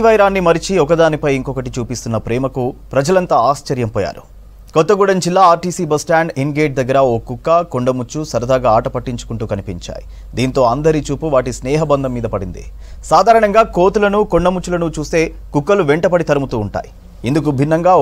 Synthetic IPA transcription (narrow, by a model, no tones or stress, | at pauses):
ʋɐjɾaːnːimɐɾit͡ʃiɔkɐd̪aːnipɐjiŋkɔkɐʈit͡ʃuːpist̪unːɐpɾɛːmɐkupɾɐd͡ʒɐlɐnt̪aːaːst͡ʃɐɾjɐmpɔːja̰ːɾu̥ | kɔt̪ːɐɡuːɽɐnd͡ʒilːaːaːɾʈiːsiːbɐsʈaːɳɖinɡeːʈ̚d̪ɐɡːɐɾɐoːkukːɐkoɳɖɐmut͡ʃːusɐɾɐd̪ʱaːɡaaːʈɐpɐʈːiɲt͡ʃu̥kuɳʈuːkɐnipiɲt͡ʃa̰ːji | d̪iːnt̪o̞ːɐnd̪ɐɾit͡ʃuːpuʋaːʈisnɛːɦɐbɐnd̪ɐmːiːd̪ɐpɐɽind̪ḭ | saːd̪ʱaːɾɐɳɐŋɡaːko̞ːt̪ulɐnukoɳɖɐmut͡ʃːulɐnut͡ʃuːse̞ː | kukːɐluʋeɳʈɐpɐɽit̪ɐɾɐmut̪uːɳʈa̰ːji | ind̪uk̬ubʱinːɐŋɡaː